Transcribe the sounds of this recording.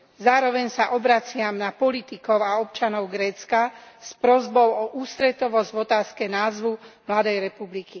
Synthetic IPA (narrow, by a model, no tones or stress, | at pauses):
zaːɾɔʋɛɲsaʔɔbɾat͡sɪamnapɔlit̪ikɔʊaɔp̚t͡ʃanɔʊɡɾɛːt͡skaspɾɔzbɔʊɔʔuːst̪ɾɛt̪ɔʋɔzɟvɔt̪aːskɛnaːzʋumlad̪ɛjɾɛpubliki